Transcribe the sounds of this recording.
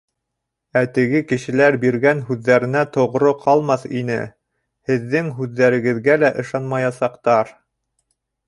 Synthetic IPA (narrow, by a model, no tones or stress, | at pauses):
æt̪ɘ̆ɡɘkɘ̆ʃɘ̆læɾbiɾɡænɦʉðːæɾɘ̆næt̪ŏʁɾoqʰɑlˠmɑθinɘ̰ | hɘ̆ðːɘŋɦʉðːæɾɘ̆ɡɘ̆ðɡælæʔɤ̆ʃɑnmɑjɑsɑqt̪ɑɾ